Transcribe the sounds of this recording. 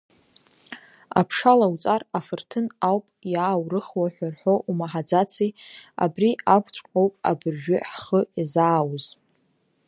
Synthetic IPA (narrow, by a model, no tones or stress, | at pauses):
a̰pʰʂalawt͡sʼarafɨrtʰɨnawpʼjaːwrɨχwaħʷᶣarħo̞ʔumaħad͡zat͡sʰia̰briakʷʼt͡ʃʷʼqʷʼowpʼa̰bɨrʒᶣʏħχəazaːwz